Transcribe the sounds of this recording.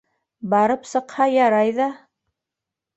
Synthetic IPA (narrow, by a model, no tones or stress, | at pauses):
bɑɾɤpsɤ̆qhɑjɑɾɑjðɑ